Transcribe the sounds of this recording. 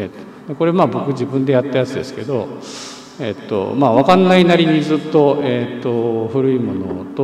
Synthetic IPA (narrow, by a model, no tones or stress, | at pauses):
et̪ | d̪eko̞ɾe̞maːbo̞kɯ̟d͡ʑibɯ̟̃nd̪e̞jat̪ːejat͡sɨd̪e̞sɨ̥ke̞d̪o̞ | et̪ːo̞̰maːβakãnːainaɾʲiɲ̟id͡zɨːt̪ːo̞eːt̪ːo̞ɸɯ̟ɾɯ̟imo̞no̞̰t̪o